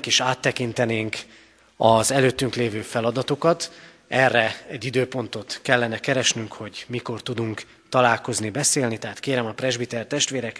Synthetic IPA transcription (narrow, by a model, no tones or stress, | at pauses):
keːʃaːt̪ːɛkint̪ɛneːŋk | ɒzɛløːt̪ːyŋkleːvøːfɛlɒd̪ɒt̪o̞kɒt̪ | ɛrːɛɛɟːid̪øːpo̞nt̪o̞t̪kɛlːɛnɛkɛɾɛʃnyŋkho̞ɟmiko̞rt̪ud̪uŋk | t̪ɒlaːlko̞znibɛseːlnit̪ɛɦaːt̪keːɾɛmɒprɛʒbit̪ɛrt̪ɛʃt̪ʋeːɾɛk